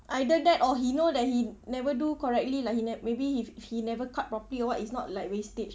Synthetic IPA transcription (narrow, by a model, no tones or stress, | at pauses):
ʔajdədɛtɔɦinodɛt̚hinɛvədukɔɹɛk̚tlilaɪkhinɛmebiiffhinɛvəkʰat̚pɹɔpəliɔwɔtisnɔt̚lajkwestet͡ʃ